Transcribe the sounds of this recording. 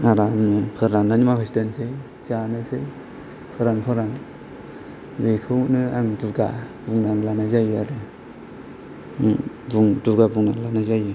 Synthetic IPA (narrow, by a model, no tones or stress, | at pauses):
aɾanɯpʰɯɾanːanimakʰistensej | zanɯsej | pʰɯɾanpʰɯɾan | bekʰɯwnɯaŋduɡa̰buŋnaŋlanajzajɯaɾɯ | buŋduɡabuŋnaŋlanajzajɯ